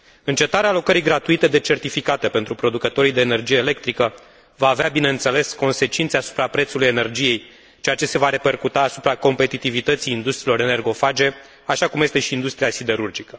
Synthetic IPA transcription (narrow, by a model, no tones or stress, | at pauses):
ɨnt͡ʃe̞t̪aɾealo̞kəɾijɡɾat̪uit̪e̞d̪e̞t͡ʃe̞rt̪ifikat̪e̞pe̞nt̪ɾupɾo̞d̪ukət̪o̞ɾijd̪e̞ːne̞rd͡ʒije̞ːle̞k̚t̪ɾikə | vaːveabine̞ɨnt̪se̞le̞sko̞nse̞t͡ʃint̪seasu̥pɾapɾe̞t̪suluje̞ne̞rd͡ʒije̞j | t͡ʃejat͡ʃe̞se̞vaɾe̞pe̞rkut̪aːsupɾako̞mpe̞t̪it̪ivit̪ət̪siːnd̪ust̪ɾilo̞ɾene̞rɡo̞fad͡ʒe̞ | aʃakumje̞st̪e̞ʃiːnd̪ust̪ɾijasid̪e̞ɾurd͡ʒikə